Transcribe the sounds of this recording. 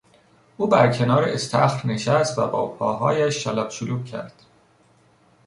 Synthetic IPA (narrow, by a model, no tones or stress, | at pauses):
ʔuːbæɾcʰe̞nɒːɾeʔest̪ʰæxɾne̞ʃæst̪væ̰bɒːpʰɒːɦɒːjæʃːælɒbsuluːbcʰæ̰ɾd̪̥